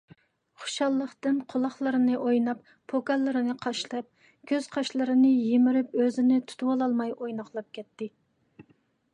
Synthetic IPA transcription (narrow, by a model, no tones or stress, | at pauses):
χʊ̥ʃɑlˠːəχt̪ɨnqʰolˠɑχlˠɨɾɨnɨʔojnɑpːʰoɡɑlˠːɨɾɨnɨqʰɑʃlˠɑp̚ | kʲʰøz̥qʰɑʃlˠɨɾɨnɨjemɪɾypøzɪnɪt̪ʰu̥t̪ʰuwɑlˠɑlˠmɑjʔojnɑχlˠɑp̚kʲʰɛt̪ːɪ